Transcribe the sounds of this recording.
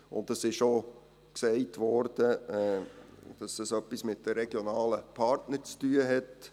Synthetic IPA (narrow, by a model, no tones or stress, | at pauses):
ʊ̰ntd̥ɑsɪʃo | ksɛɪtʋɔɾd̥ə | d̥ɑsd̥ɑsœpːismɪt̚d̥əɾɛɡ̥jonɑːləpʰɑɾtnəɾt͡styːəɦɛt